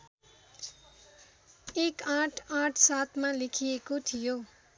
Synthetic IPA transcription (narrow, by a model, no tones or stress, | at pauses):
ekãʈʰãʈʰsat̪ʰmalekʰijekot̪ʰijo